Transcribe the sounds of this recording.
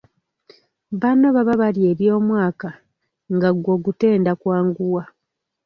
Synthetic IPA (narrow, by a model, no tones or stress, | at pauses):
βanaβaβaβalje̞ːβjo̞ːmwaːka | ŋɡaɡwo̞ɡute̞ːndakwaːŋɡuwa